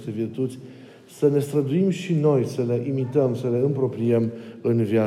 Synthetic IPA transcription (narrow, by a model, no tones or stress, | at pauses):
st̪e̞virt̪ut̪sʲ | səne̞st̪ɾəd̪uimʃino̞jsəle̞ʔimit̪əmsəle̞ɨmpɾo̞pɾiəmɨnvja